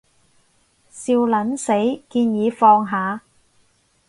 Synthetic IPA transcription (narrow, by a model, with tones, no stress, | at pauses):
siː˧wlɐ˨˥nse˨˥jkiː˧njiː˨˧fɔː˧ŋɦaː˨˧